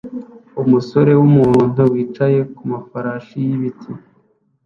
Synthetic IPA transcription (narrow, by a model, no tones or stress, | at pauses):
umuso̞ɾe̞wumuːn̥uwiːt͡ʃaje̞kumafaɾaːʃijiβitʰi